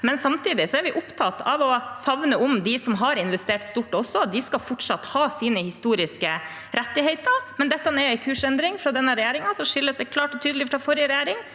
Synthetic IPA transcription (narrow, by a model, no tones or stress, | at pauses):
mɛnsɑmt̪ʰiːd̪ɪsɔæɾʋɪʔʊpt̪ʰɑt̪ɑʋɔfɑʋnəʊmd̪ɪsɔmɦɑɾɪnʋɛst̪eːʈst̪uːʈːɔsːɔɑt̪̚d̪ɪskɑfɔʈʂɑt̪ːhɑːsiːnəhɪst̪uːɾɪskə | ɾɛt̪ːɪhɛɪt̪əɾmɛnd̪ɛt̪ːɑnɛæɪkʰʉːʂɛnd̪ɾɪŋfɾɑd̪ɛnːəɾɛjæːɾɪŋɑsɔʂɪlːəsd̪ɛkʰlɑːʈɔt̪ʰyːd̪lɪfɾɑfɔɾɪəɾɛjæːɾɪŋ